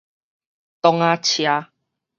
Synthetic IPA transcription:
t̪ɔ˧ŋa˧t͡ɕʰja˧

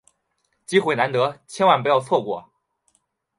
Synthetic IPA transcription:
t͡ɕi˥xwe˧˥ɪna˧˥nt̪ɤ˧˥t͡ɕʰjɛ˥nwa˥˩npu˧˥jɑ˥˧ʊt͡sʰwɔ˥˩kwɔ̰˨˩

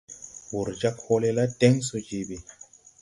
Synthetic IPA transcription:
wu˨ɾd͡ʒa˦pho˦le˦la˦tɛ˦ŋso˨d͡ʒi˨bi˨

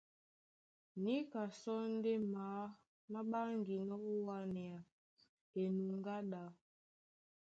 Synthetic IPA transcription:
ni˦ka˨sɔ˦n̩˦de˦maː˨˦ | ma˦ɓa˦ŋɡi˨nɔ˦u˦wa˦nɛ˨a˨ | e˨nu˨ŋɡa˦ɗa˨

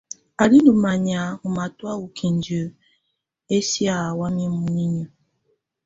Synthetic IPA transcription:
a˨ɾi˦n˦u˨ma˨ɲa˨u˨ma˨tu˦a˦wu˨kʰi˨n˨d͡ʒo˨ | e˦si˦a˨wa˦mi˦m̩˦mu˨ni˦ɲo˦

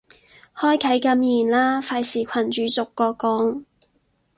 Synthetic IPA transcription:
hɔː˥jkʰɐ˨˥jkɐ˧˥mjiː˨˩nlaː˥faː˧jsiː˨˩kʷʰɐ˨˩nt͡ʃyː˨˧t͡sʊ˨kːɔː˧kɔː˨˥ŋ

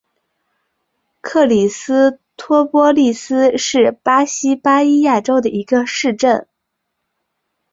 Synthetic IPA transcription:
kʰɤ˥˩li˨˩sɹ̩˥ | t̪ʰwɔ˥pwɔ˥li˥˩sɹ̩˥ʂɻ̩˥˩pa˥ɕi˥pa˥i˥ja˥˩ʈ͡ʂo˥ʊd̪ə˨ʔi˧˥ɡə˧ʂɻ̩˥˧ʈ͡ʂə˥˩n

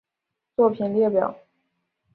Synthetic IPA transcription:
t͡swɔ˥˩pʰi˨˩nljɛ˥˩pjɑ˨˩˦ʊ

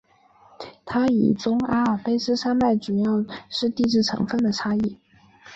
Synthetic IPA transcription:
t̪ʰa˥ḭ˨˩t͡sʊ˥ŋa˥fe˥ɪsɹ̩˥ʂa˥nma˥˩ɪʈ͡ʂu˨˩jɑ˥˩ʊʂɻ̩˥˧t̪i˥˧ʈ͡ʂɻ̩˥˩ʈ͡ʂʰɤ̰˧˥ŋfə˥˩nd̪ə˩ʈ͡ʂʰa˥i˥˩

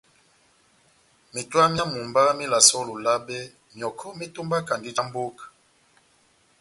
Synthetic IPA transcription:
mi˨twa˦mja˦mu˨mba˦mi˦la˨sɔ˦lo˨la˦bɛ˦ | mjɔ˨kʰɔ˦mi˦to˦mba˦ka˨ndi˦d͡ʒa˦m˦bo˦k

